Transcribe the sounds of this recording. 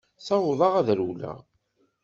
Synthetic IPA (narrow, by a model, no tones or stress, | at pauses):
θɑwðˤɑʁæðɾulæ̰ʁ